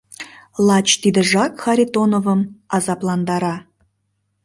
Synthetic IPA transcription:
lˠɑt͡ɕt̪id̪ə̆ʒɑkxɑɾʲit̪onovəmɑzɑplˠɑnd̪ɑɾɑ

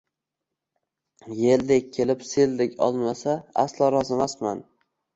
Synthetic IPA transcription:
jeld̪ekʲʰːe̞lɪpseld̪ɪkʲɒ̰lˠmasaa̰slɒɾɒzɪmasman

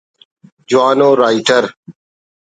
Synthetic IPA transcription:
d͡ʒʊʋaːnoːɾaːiʈəɾ

